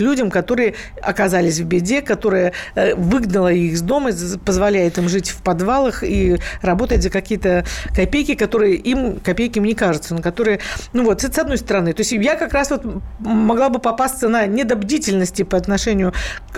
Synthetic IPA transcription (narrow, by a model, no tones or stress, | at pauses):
lʲudʲəmkɐt̪o̞ɾɨjə | ɐ̰kɐzalʲɪsʲvbʲɪdʲekɐt̪o̞ɾɨjəvɨɡnəlˠəixzd̪o̞məzpəzvɐlʲæjɪt̪imʐɨtʲfpɐd̪valˠəxirɐbo̞t̪ətʲzəkɐkʲijət̪əkɐpʲejkʲɪkɐt̪o̞ɾɨjəʔimkɐpʲejkʲɪmnʲɪkaʐɨt̪sənokɐt̪o̞ɾɨjənuvo̞t̪st̪sɐd̪no̞jst̪əɾɐnɨt̪o̞ɪsʲtʲjakɐkɾasvo̞t̪mɐɡlˠabɨpɐpast̪sənənʲɪd̪ɐbdʲitʲɪlʲnəsʲtʲɪpəɐt̪nɐʂɛnʲɪjʊ